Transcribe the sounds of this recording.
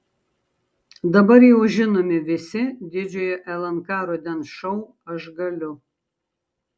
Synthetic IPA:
d̪ɐbɐɾjɛʊʒʲɪnoːmʲɪʋʲɪsʲɪd̪ʲɪd͡ʒʲojoʔɛlˠɐnkɑːɾod̪ʲɛnʃɐʊ | ɐʒɡɐlʲʊ

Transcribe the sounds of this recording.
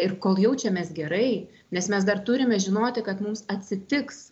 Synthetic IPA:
ɪrkoːlˠjɛʊt͡ʃʲɛmʲeːsɡʲɛɾɐɪ | nʲɛsmʲɛs̬d̪ɐrt̪ʊɾʲɪmʲɛʒʲɪnoːt̪ʲɪkɐt̪mʊmsɐt̪ʲsʲɪt̪ʲɪks

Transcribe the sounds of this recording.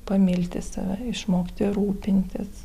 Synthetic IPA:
pɐmʲɪlʲt̪ʲɪsɐ̰ʋʲɛɪʃmoːkʲt̪ʲɪɾuːpʲɪnʲt̪ʲɪs

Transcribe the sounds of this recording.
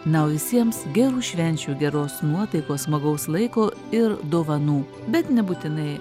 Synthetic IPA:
nɐʊʋʲɪsʲiɛmsɡʲɛɾuːʃʲʋʲɛnʲt͡ʃʲuːɡʲɛɾoːsnuɔt̪ɐɪkoːsmɐɡɐʊslˠɐɪkoː | ɪɾd̪oːʋɐnuː | bʲɛt̪nʲɛbuːt̪ʲɪnɐɪ

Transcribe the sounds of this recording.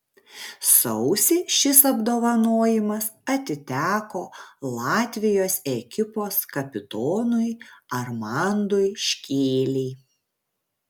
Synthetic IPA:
sɔʊsʲɪʃʲɪsɐbd̪oːʋɐnoːjɪmɐsɐt̪ʲɪt̪ʲæːkoːlˠɑːt̪ʲʋʲɪjoːsɛkʲɪpoːskɐpʲɪt̪oːnʊɪɐɾmɑnd̪oɪʃʲkʲeːlʲɛɪ

